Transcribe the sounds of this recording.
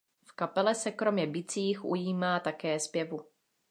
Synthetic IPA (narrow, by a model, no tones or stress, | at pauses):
fkapɛlɛsɛkɾo̞mɲɛbɪt͡siːxʔṵjiːmaːt̪akɛːspjɛvu